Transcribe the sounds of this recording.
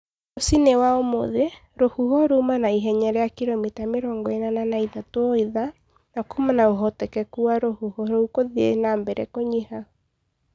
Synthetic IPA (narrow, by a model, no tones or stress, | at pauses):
osinewaomo̰ðe | ɾohuhɔɾumanaiɦɛɲɛɾɛjakiɾɔmitameɾɔŋɡɔenananaiðatwɔiða | nakumanaoɦɔtɛkɛkuaɾohuhɔɾoukoðiḛnambɛɾɛ̰koɲiha